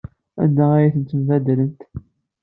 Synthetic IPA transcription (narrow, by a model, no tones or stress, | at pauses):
æ̰nd̪ææjæθənt̪ːəmvæd̪lənt̪